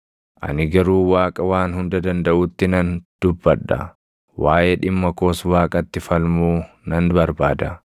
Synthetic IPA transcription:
ʔɐ̰nɪɡɐɾuːwaːkʼɐwaːnhʊnd̪ɐd̪ɐnd̪ɐʔʊt̪ːɪnɐnd̪̥ʊbːɐᶑːɐ̰ | waːjɛᶑɪmːɐkoːswaːkʼɐt̪ːɪfɐlmuː | nɐnbɐɾbaːd̪ɐ

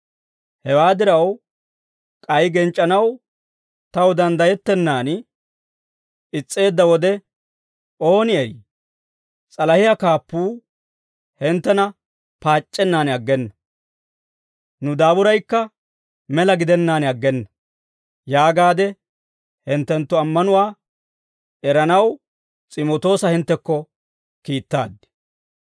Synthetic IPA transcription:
hɛwaːd̪ɪɾɐw | kʼɐjɡɛnt͡ʃʼːɐnɐw | t̪ɐwd̪ɐnd̪ɐjɛt̪ːɛnːaːn | ɪt͡sʼːe̞ːd̪ːɐwɔd̪ɛ | ʔo̞ːnɪɛj | t͡sʼɐlɐhɪjakaːpːuː | hɛnt̪ːɛnɐ | paːt͡ʃʼːɛnːaːnɐɡːɛnːɐ | nʊd̪aːbʊɾɐjkːɐ | mɛlɐɡɪd̪ɛnːaːnɐɡːɛnːɐ | jaːɡaːd̪ɛ | hɪnt̪ːɛnt̪ːʊɐmːɐnʊwaː | ɛɾɐnɐw | t͡sʼɪmot̪o̞ːsɐhɪnt̪ːɛkːɔ | kiːt̪ːa̰ːd̪ːɪ̥

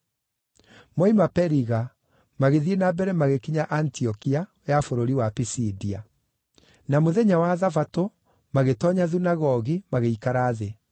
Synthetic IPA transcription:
mɔimapɛɾiɣa | maɣeðienabɛɾɛmaɣekiɲaʔantiɔkia | jafoɾoɾiwapisidia | namoðɛɲawaðafato | maɣetɔɲaðunaɣɔɣimaɣeikaɾaːðe

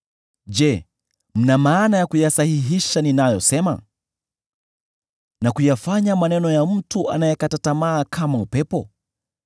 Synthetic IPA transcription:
d͡ʒɛ | m̩namaːnajakujasahiɦiʃaninajɔsɛma̰ | nakujafaɲamanɛnɔjam̩tuʔa̰najɛkatatamaːkʰamaupɛpɔ

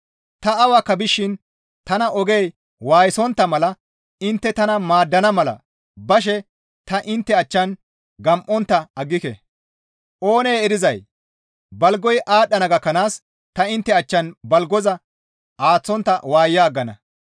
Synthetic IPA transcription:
t̪ɐɐwakːɐbɪʃːɪn | t̪ɐnɐʔɔɡej | waːjɪsɔnt̪ːɐmɐlɐ | ɪnt̪ːɛt̪ɐnɐmaːd̪ːɐnɐmɐlɐ̰ | bɐʃ̬ɛ | t̪ɐʔɪnt̪ːɛɐt͡ʃːɐn | ɡɐmʔɔnt̪ːɐɐɡːɪkɛ̰ | ʔo̞ːnejɛɾɪzɐj | bɐlɡɔjʔaːɗːɐnɐɡɐkːɐnaːs | t̪ɐɪnt̪ːɛɐt͡ʃːɐnbɐlɡɔzɐ | ʔaːt͡sːɔnt̪ːɐwaːjːaːɡːɐnɐ̰

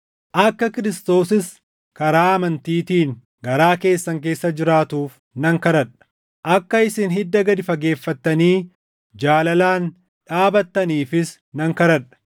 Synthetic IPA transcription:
ʔɐkːɐkɪɾɪst̪o̞ːsɪs | kɐɾaːɐmɐnt̪iːt̪iːŋ | ɡɐɾaːke̞ːsːɐŋk̬e̞ːsːɐd͡ʒɪɾaːt̪uːf | nɐŋkɐɾɐᶑɐ̥ | ʔɐkːɐɪsɪnɦɪd̪ːɐɡɐd̪ɪfɐɡe̞ːfːɐt̪ːɐniː | d͡ʒaːlɐlaːn | ᶑaːbɐt̪ːɐniːfɪs | nɐŋkɐɾɐᶑɐ̥

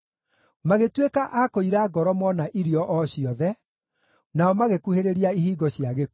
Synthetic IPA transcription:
maɣetwekaʔakoiɾaɡɔɾɔmɔnaʔiɾiɔʔɔɕiɔðɛ | naɔmaɣekuheɾeɾiaiɦiːɡɔɕjaɣe

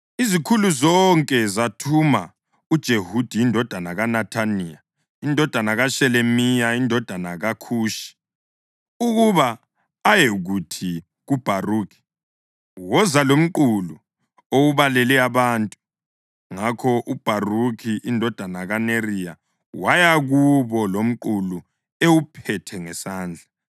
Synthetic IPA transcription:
izikʰuluzɔŋkʼɛzatʰuma | ud̥ʒ̥ʱehud̥ʱijindʱɔd̥ʱanaɣanatʰania | indʱɔd̥ʱanaɣaʃɛlemijaindʱɔd̥ʱanaɣakʰuːʃi̥ | uɣuβaː | jeɣutʰi | ɣub̥ʱaruːkʰi̥ | wɔzalom̩ǃulu | owuβalɛlɛaβantʼu | ŋakʰɔʔub̥ʱarukʰiʔindʱɔd̥ʱanaɣanerija | wajaɣuβɔlom̩ǃulu | ewupʰɛtʰɛŋɛsaːnd͡ɮʱa

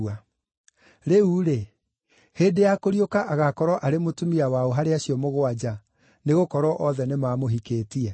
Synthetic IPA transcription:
a | ɾeuɾe | heːdejakoɾijokaʔaɣakɔɾɔʔaɾemotumiawaoɦaɾeaɕjɔmoɣoad͡ʒa | neɣokɔɾwɔʔɔðɛnemaːmoɦikeːtiɛ

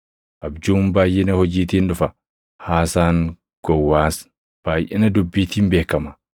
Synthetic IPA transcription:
ʔɐbd͡ʒuːmbaːjʔɪnɐhɔd͡ʒiːt̪iːnᶑʊfɐ | haːsaːŋ | ɡ̥ɔwːaːs | b̥aːjʔɛnɐd̪ʊbːiːt̪iːmbeːkːɐmɐ

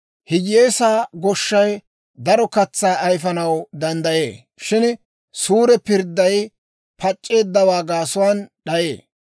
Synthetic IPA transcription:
hɪd͡ʒje̞ːsaːɡɔʃːɐj | d̪ɐɾɔkɐt͡sːaːʔɐjfɐnɐwd̪ɐnd̪ɐje̞ː | ʃɪn | suːɾɛpɪɾd̪ːɐj | pʰɐt͡ʃʼːe̞ːd̪ːɐwaːɡaːsʊwaːnɗɐjḛː

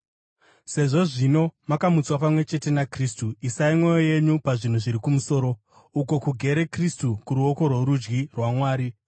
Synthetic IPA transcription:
se̞ʐo̞ʐino̞makamut͡swapamwe̞t͡ʃe̞te̞nakristuisaimwo̞jo̞je̞ɲupaʐin̤uʐiɾikumuso̞ːɾo̞ | uko̞kuɡʱe̞ɾe̞kristukuɾuoko̞rwoɾud͡ʒɡirwamwaːɾi

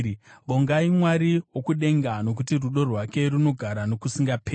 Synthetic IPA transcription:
ʋoŋɡaimwaɾiwokuɗe̞ŋɡano̞k̬utiruɗo̞rwake̞runo̞ɡʱaɾano̞kusiŋɡapʰeː

